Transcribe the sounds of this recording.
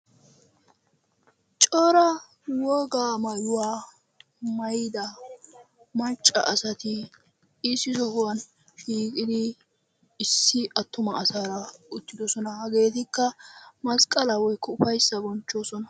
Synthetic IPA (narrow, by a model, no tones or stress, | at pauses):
t͡ʃʼoːɾɐ | wɔːɡaːmɐjʊwaː | mɐjd̪ɐ | mɐt͡ʃʼːɐ̰ʔɐsɐt̪ɪ | ɪsɪzɔhʊwɐn | ʃiːkʼɪd̪ɪː | sːɪɐt̪ːʊmɐːsaːɾɐʊt̪ːɪd̪ɔsɔnɐhɐɡe̞ːt̪ɪkːɐmɐskʼːɐlɐwɔjkːɔʊfɐjsːɐbɔnt͡ʃːo̞ːsɔnɐ